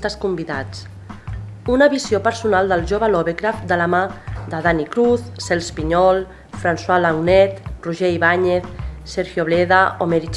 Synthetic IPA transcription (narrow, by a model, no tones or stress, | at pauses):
t̪əskumbiða̰t͡s | unəβisiopəɾsunalˠd̪əlˠʒoβəlɔβekɾafd̪ələmad̪əðanikɾuθsɛlˠspiɲɔlˠ | fɾanswalawnɛt̪ruʒɛiβaɲeθsɛɾxjoβlɛðəomeɾit͡ʃ